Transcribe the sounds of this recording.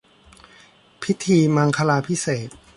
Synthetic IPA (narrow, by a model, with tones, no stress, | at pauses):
pʰi˦˥t̪ʰiː˧ma˧ŋkʰa˧laː˧pʰi˦˥seː˨˩t̪̚